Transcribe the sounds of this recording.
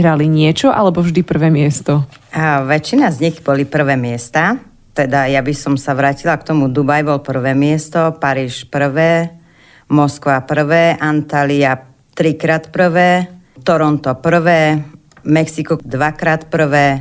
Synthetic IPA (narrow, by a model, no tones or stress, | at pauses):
ɦɾaliɲɪɛt͡ʃɔʔa̰lɛbɔvʒd̪ipr̩ʋɛːmɪɛst̪ɔaʋɛt͡ʃːinazɲiɣbɔlipr̩ʋɛːmɪɛst̪a | t̪ɛd̪ajabisɔmsaʋɾaːcilakt̪ɔmud̪ubajbɔlpr̩ʋɛːmɪɛst̪ɔpaɾiːʃpr̩ʋɛː | mɔskʋapr̩ʋɛːʔant̪alia | t̪ɾikɾaːt̪pr̩ʋɛː | t̪ɔɾɔnt̪ɔpr̩ʋɛː | mɛksikɔd̪ʋakɾaːt̪pr̩ʋɛː